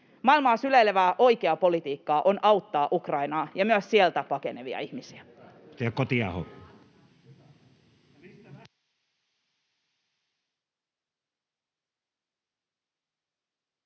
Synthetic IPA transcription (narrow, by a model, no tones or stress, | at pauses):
mɑilmɑːsyleleʋæːʔo̞ikeɑpo̞lit̪iːkːɑːʔo̞nʔɑwt̪ːɑːʔukrɑinɑːjɑmyæsːielt̪æpɑke̞̰ne̞ʋḭɑ̰ihmisiæ | t̪ækot̪iɑ̰ho̰ɑ